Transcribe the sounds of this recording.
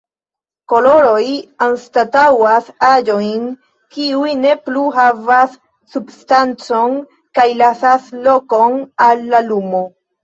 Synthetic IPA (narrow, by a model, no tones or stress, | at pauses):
ko̞lo̞ɾojanstatawasad͡ʒo̞jn | kiujne̞pluɦavasː | ubstant͡so̞n | kajlasaslo̞ko̞nalːalumo